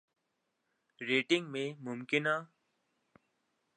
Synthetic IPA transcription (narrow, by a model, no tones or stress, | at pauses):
ɾeːʈɪ̃ŋɡmẽmʊmkɪnaː